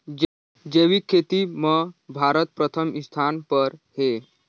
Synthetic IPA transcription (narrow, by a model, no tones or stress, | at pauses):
d͡ʑeʋiːkʰːet̪iːməbʱaɾət̪̚pɾət̪ʰəmist̪ʰanpəɾhe